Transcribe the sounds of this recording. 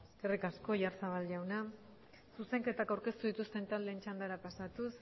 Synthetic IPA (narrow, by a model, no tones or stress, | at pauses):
eskerikasko̞ʝaɾsaβalʎawna | suse̞ŋke̞t̪akawɾke̞st̪uðit̪ust̪e̞nt̪ald̪e̞ːnt͡ʃand̪aɾapasat̪us